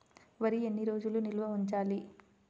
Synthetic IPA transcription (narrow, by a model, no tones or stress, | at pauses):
ʋɐɾienːiɾo̞ːd͡ʒulunilʋɐuɲt͡ʃaːli